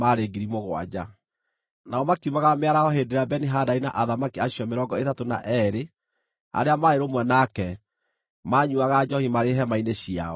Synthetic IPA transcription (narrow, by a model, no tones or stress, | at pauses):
aɾeɡiɾimoɣwa̰d͡ʑa | naɔmakiumaɣameaɾahɔɦeːdeɾabɛniɦadainaʔaðamakiaɕjɔmeɾɔɡɔetatona̰ʔɛɾe | a̰ɾeamaeɾomwɛnakɛ | maɲuaɣad͡ʒɔhimaɾeɦɛmaineɕia̰ɔ